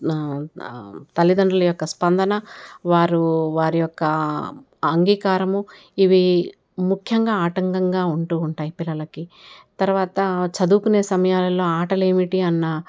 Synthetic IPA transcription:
t̪ɐlːid̪ɐɳɖɐlɐjɔkːɐspɐnd̪ɐnɐʋaːɾuʋaːɾijɔkːɐ | ɐŋɡiːkaːɾɐmu | iʋi | mukʰjɐŋɡaːaːʈɐŋɡɐŋɡaːuɳʈuːuɳʈaːjipilːɐlɐkit̪ɐɾuʋaːt̪ɐt͡ʃɐd̪uːkune̞ːsɐmɐjaːlɐlo̞ːaːʈɐleːmiʈiɐnːɐ

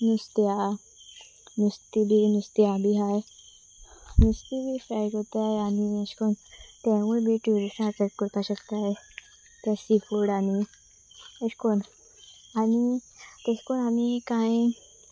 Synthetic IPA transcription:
nist̪ea | nist̪ibʱinist̪iabʱiɦaj | nist̪ibʱifɾajʈɦot̪aeañiəskont̪ɛ̃ʋubʱiʈuɾisãkəkkəɾt̪aɕəkt̪ae | t̪jasifuɽani | əskon | añit̪eskonamikãĩ

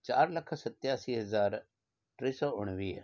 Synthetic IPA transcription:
t͡ʃaːɾlɐkʰsɐt̪jaːsiːɦɐzaːɾ | ʈɾiːsɔːʊɽ̃ʋiː

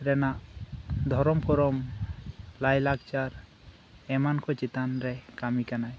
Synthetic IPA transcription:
ɾɛnaʔd̪ʱɔɾɔmpʰɔɾɔm | lajlaɡt͡ʃaɾ | ɛmankʰɔt͡ʃit̪anɾɛkamikanaj

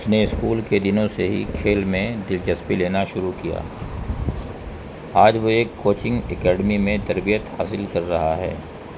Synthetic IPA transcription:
ʊsneɪskuːlked̪ɪnõseɦḭkʰeːlmẽd̪ɪlt͡ʃɐspileːnaʃʊɾukija̰ː | aːd͡ʒʋoeːkːoːt͡ʃɪ̃ŋɡekɛːɖmimẽt̪ɐɾbijət̪haːsɪlkɐɾːɐɦaɦɛ̰ː

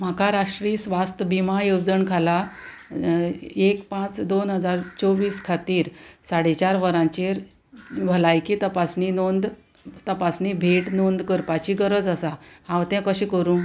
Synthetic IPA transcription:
m̤akʰaɾaʂʈɾiːsʋast̪əbimajowd͡zəɳkʰala | ekpãt͡sd̪onɦəd͡zaɾt͡soʋiːskʰat̪iːɾsaɽet͡ɕaɾʋəɾãɲt͡ɕeɾ | ʋəlajkiːt̪əpasninond̪ | t̪əpasnibʱeʈnond̪kəɾpat͡ɕiːɡəɾəd͡zəsahãʋt̪ɛ̃kəɕĩkəɾũː

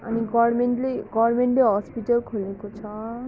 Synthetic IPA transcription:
a̰niɡɔɾmenʈleɡɔrmeɳʈleɦɔspiʈʌlkʰolekot͡sʰɔ

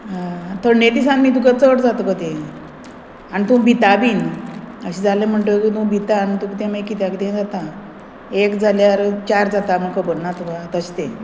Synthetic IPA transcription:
ɦat̪əɾned̪isãnmiːd̪ukət͡səʈd͡zat̪kət̪ẽ | anit̪ũbʱit̪abiːnəɕid͡zalem̤əɳʈ̪okit̪ũbʱit̪aːnit̪ũkt̪ẽmekit̪jakit̪ẽd͡zat̪a | ekd͡zaljaɾt͡ɕaɾd͡zat̪am̤əkəbəɽnat̪ukat̪əɕt̪ẽ

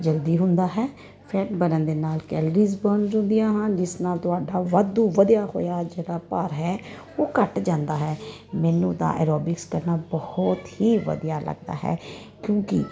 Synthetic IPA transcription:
d͡ʒəld̪iːɦʊnd̪aːɦɛː | pʰɛːʈbənə̃nd̪eːnaːlkɛːləɾiːzbənzʊ̃nd̪ijãːɦənd͡ʒɪsnaːlt̪ʊaːɖaːʋəd̪ũːʋəd̪ijaːho̰ːjaːd͡ʒeːɽaːpəɾɦɛː | oːkəʈd͡ʒãːnd̪aːɦɛː | mɛːnṵ̃ːd̪a̰ːʔɛ̰ːɾoːbɪkskəɾnaːbɔhɔt̪hiːʋə̰d̪jaːlə̰ɡd̪a̰ːɦɛ̰ː | kjõːkɪ̰

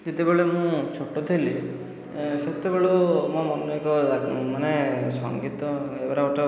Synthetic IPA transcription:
d͡ʒet̪ebeɭemũt͡ʃʰoʈːɔt̪ʰeli | set̪ebeɭumɔ̃mɔnɔekɔaũmanesɔ̰ŋɡit̪ɔebaɾaoʈɔ

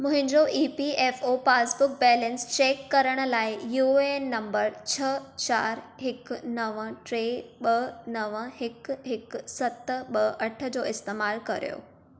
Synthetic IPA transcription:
mʊ̃ɦɪ̃ɲd͡ʑoʔiːpieːfoːpaːsbʊk̚bɛːlɛ̃nst͡ɕeːkːɐɾəɽ̃̆laːɪjuːenɐ̃mbəɾt͡ɕʰɐt͡ɕaːɾ | ɦɪknɐʋə̃ʈɾeːɓɐnɐʋəɦɪkɦɪksɐt̪ɓɐʔɐʈʰə̆d͡ʑoːɪst̪eːmaːlkɐ̰ɾḭjo̰ː

